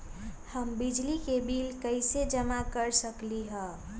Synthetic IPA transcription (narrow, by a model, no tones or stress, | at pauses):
həmbid͡ʒlikebilkəɪsed͡ʒəmakəɾsəkliɦə̃